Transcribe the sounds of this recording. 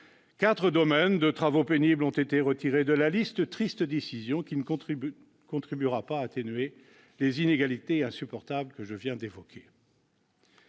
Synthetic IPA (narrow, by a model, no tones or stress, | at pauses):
kat̪χəd̪ɔmɛnd̪ət̪χavopeniblɔ̃t̪et̪eʁət̪iʁed̪əlalist̪ət̪χist̪əd̪esizjɔ̃kʲin | kɔ̃t̪χibyʁapaːt̪enɥe | lezineɡalit̪eɛ̃sypɔʁt̪ablkəʒəvjɛ̃d̪evɔkʲʰe